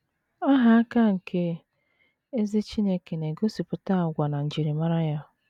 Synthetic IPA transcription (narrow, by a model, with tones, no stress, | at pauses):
a˦ɦa˨a˦ka˦ŋ̩˨ke˦ | e˦zi˦t͡ʃi˦ne˦ke˨ne˨ɡo˦si˨pʊ˨ta˦˨ɡʷa˨na˨n̩˨d͡ʒi˨ɾi˨ma˦ɾa˦ja˦